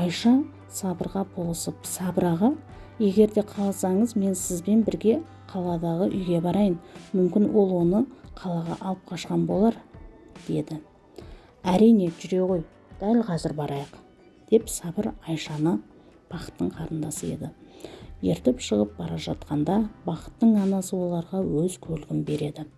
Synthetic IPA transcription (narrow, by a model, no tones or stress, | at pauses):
ɑjʃɑ | sɑbəɾʁɑbʰo̞lˠəsəpsɑbɾɑʁɑje̞ɡʲe̞ɾd̪e̞qʰɑlˠɑsɑɴəzme̞nsɪzbe̞nbɪɾɡʲe̞ | qʰɑlˠɑd̪ɑʁəʔʏjɡʲe̞bɑɾɑjənmʏmkʲɪnwʔo̞lˠwo̞nəqʰɑlˠɑʁɑ̰ʔɑlˠəp̚qʰɑʃqɑnbo̞lˠɑɾd̪̥e̞d̪ɪ | æɾijne̞ʒʏɾe̞ʁo̞j | d̪̥ælqʰɑzɪɾbɑɾɑjəq | d̪̥e̞psɑbəɾɑjʃɑnə | b̥ɑqə̥t̪ːəɴqʰɑɾənd̪ɑsəe̞̰d̪ɪje̞̰ɾt̪epʃəʁəp̚b̥ɑɾɑʒɑt̪qɑnd̪ɑbɑqə̥t̪ːəɴɑnɑsəwo̞lˠɑɾʁɑwɵzkʲʰɵlɪɡʲɪmbe̞ɾe̞d̪ɪ